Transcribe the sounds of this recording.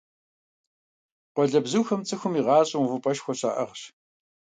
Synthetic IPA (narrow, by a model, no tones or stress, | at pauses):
qʷɔɮɐbzɨwxɐmt͡sʼɨxʷʊmiːʁɑːɕʼɪwvɨpʼɐʃxʷɔɕa̰ːʔɐ̰ʁɕ